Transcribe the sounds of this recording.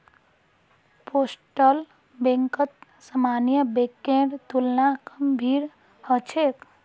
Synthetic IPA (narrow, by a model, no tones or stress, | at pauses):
posʈəl | bẽŋkət̪ | səmanijəbekẽɖt̪ulnakəmbʱiɾ | hət͡ʃʰek